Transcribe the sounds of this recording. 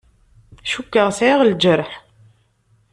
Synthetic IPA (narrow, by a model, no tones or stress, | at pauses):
ʃukːəʁsiʁld͡ʒəɾˤħ